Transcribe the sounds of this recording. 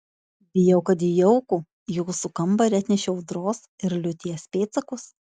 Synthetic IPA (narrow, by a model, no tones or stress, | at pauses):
bʲɪjɛʊkɐd̪ʲɪjɛʊku | juːsʊkɐmbɐɾʲæt̪ʲnʲɛʃʲʊd̪ɾoːsɪɾlʲʊt̪ʲiɛsʲpʲeːt̪sɐkʊs